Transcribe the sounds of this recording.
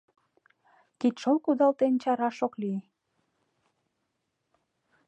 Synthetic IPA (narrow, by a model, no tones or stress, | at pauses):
kit̪ʃolkud̪ɑlt̪ent͡ɕɑɾɑʃokli